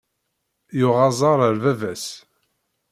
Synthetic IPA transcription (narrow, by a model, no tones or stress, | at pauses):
jʊʁɑzˤɑɾˤəɾvævæs